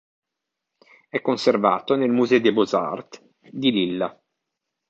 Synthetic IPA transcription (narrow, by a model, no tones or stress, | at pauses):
ɛkːonserva̰ːt̪onelmuzɛod̪eboza̰rt̪ | d̪ililːa